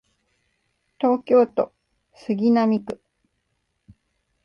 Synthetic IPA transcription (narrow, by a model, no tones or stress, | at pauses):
t̪o̞ːkʲo̞ːt̪o̞ | sɨɡʲinamʲikɯ̟